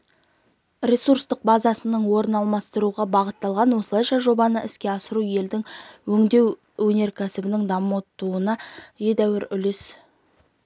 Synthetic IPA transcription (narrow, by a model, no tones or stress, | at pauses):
rʲe̞suɾst̪əq̚bɑzɑsənəɴwo̞ɾənɑlˠmɑst̪əɾuʁɑbɑʁət̪ːɑlˠʁɑnwo̞səlˠɑjʃɑʒo̞bɑnəʔɪskʲe̞ɑsəɾuje̞ld̪ɪŋwɵŋd̪e̞w | wɵne̞ɾkʲʰæsɪbɪnɪŋd̪ɑmot̪ːuənɑje̞d̪æwɪɾʏlɪs